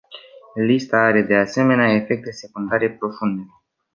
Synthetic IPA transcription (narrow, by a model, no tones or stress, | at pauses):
list̪aaɾe̞d̪e̞ase̞me̞neae̞fe̞k̚t̪̚d̪ese̞kund̪aɾe̞pɾo̞fund̪e